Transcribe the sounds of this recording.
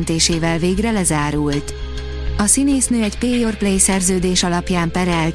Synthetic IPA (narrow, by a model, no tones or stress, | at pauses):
nt̪eːʃeːvɛlveːɡrɛlɛzaːɾult̪ | ɒsineːsnøːɛɟpeːjorplejsɛrzøːd̪eːʃɒlɒpjaːmpɛɾɛl